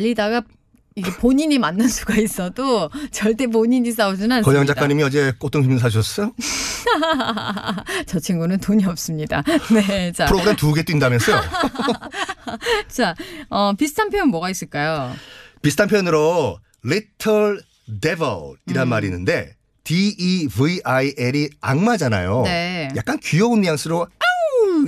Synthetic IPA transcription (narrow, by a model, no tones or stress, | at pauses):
ʎːidaɡa | iɡepoɲiɲimanːɯnsʰuɡais͈ʌdot͡ɕʌɭt͈e̞p̬oɲiɲis̬͈aud͡ʑinankʌɲʌŋd͡ʑakk͈aɲimiʌd͡ʑe̞k͈ot͈oŋʰimns̬ʰaɕʰʌs͈ʌjo | t͡ɕʌt͡ɕʰiŋɡunɯntoɲiʌp̚s͈ɯmɲida̰ne̞t͡ɕapʰɯɾoɡɯɾemtuɡe̞t͈oindamjʌns͈ʌjo | t͡ɕaʌpisʰɯ̥tʰanpʰejonmwʌɡais͈ɯɭk͈ajopisʰɯtʰampʰejʌnɯɾo | ɭitʰʌɭ | debʌ̰ɭiɾanmaɾinːɯnde̞ | tiivɯaiʔeɾiaŋmad͡ʑana̰jone̞ja̰k̚k͈ankijʌonjaŋs͈ʰɯɾo